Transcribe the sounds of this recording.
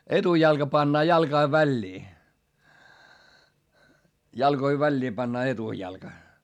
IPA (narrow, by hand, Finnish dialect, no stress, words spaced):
etujɑlkɑ pɑnːɑː jɑlkɑi ʋælʲːiː jɑlkoi ʋælʲːiː pɑnːɑː etujɑlkɑ